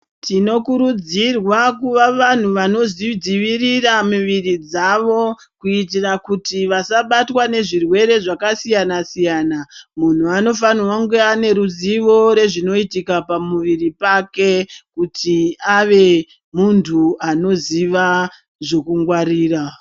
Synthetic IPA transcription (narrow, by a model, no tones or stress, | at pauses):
tino̞kuɾud͡zirwakuʋaʋan̤uʋano̞zid͡ziʋiriramuʋirid͡zaʋo̞ | kuit̬irakutiʋasaɓatwane̞ʐirwe̞ɾe̞ʐakasijanasijanamun̤uano̞fanwaŋɡeane̞ɾuziʋo̞ɾe̞ʐino̞itikapamuʋiripake̞kutiaʋe̞ | muntʰuano̞ziʋa | ʐo̞kuŋɡwaɾiːra